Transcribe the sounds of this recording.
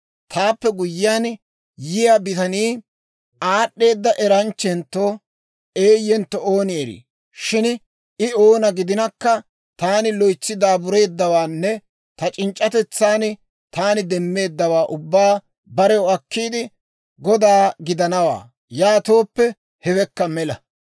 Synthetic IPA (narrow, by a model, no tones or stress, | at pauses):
t̪ʰaːpːɛɡʊjːɪjaːn | jɪjabɪt̪ɐniː | aːɗːe̞ːd̪ːɐʔɛɾɐnt͡ʃːɛnt̪ːo̞ː | eːjɛnt̪ːɔoːnɪeɾḭː | ʃɪn | ɪo̞ːnɐɡɪd̪ɪnɐkːɐ | t̪aːnɪlɔjt͡sːɪd̪aːbʊɾe̞ːd̪ːɐwaːnːɛ | t̪ɐt͡ʃʼɪnt͡ʃʼːɐt̪ɛt͡sːaːn | t̪aːnɪd̪ɛmːe̞ːd̪ːɐwaːʔʊbːaː | bɐɾɛwʊɐkːiːd̪ɪ | ɡɔd̪aːɡɪd̪ɐnɐwa̰ː | jaːt̪o̞ːpːɛ | hɛbɛkːɐmɛlɐ